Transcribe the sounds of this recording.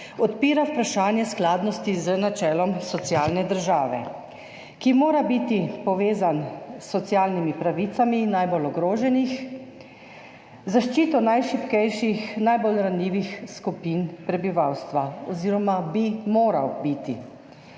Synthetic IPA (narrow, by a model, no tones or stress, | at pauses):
ɔt̪piːɾawpɾaʃaːnjɛsklaːd̪nɔst̪izənat͡ʃɛːlɔmsɔt̪sjaːlnɛd̪əɾʒaːʋɛ̰ | kimoːɾabit̪ipɔʋeːzansːɔt̪sjaːlnimipɾaʋit̪saminajbolɔɡɾoːʒɛnix | zaʃt͡ʃiːt̪ɔnajʃipkɛjʃixnajbolɾanliːʋixskupinpɾɛbiʋawst̪ʋaɔziːɾɔmabimoːɾa̰wbit̪i